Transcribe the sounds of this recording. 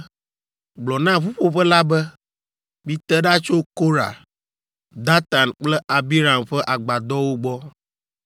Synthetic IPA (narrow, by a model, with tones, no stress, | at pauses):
ɡ͡blɔ˨nã˦vu˦ɸo˦ɸɛ˦la˦bɛ˦ | bi˦t̪ɛ˦ɖa˦t͡ʃo˦ko˦ɾa̰˨ | d̪a˦t̪a˨nk͡plɛ˦ʔa˨bi˦ɾa˨mɸɛ˦ʔa˨ɡ͡ba˨d̪ɔ˦wo˦ɡ͡bɔ˦